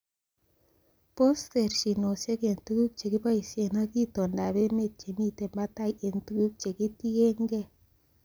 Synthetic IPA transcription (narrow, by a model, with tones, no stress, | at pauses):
po˦ste˨ɾʃi˨no˨se˦ke˨ntu˦ɡu˦k̚t͡ʃe˨ɡi˦ba˦jse˨na˦ki˦to˨nda˨be˦me˦˨t̚t͡ʃe˨mi˦te˨mba˦ta˦˨je˨ntu˦ɡu˦k̚t͡ʃe˨ki˦ti˦ɡe˦ŋɡe˦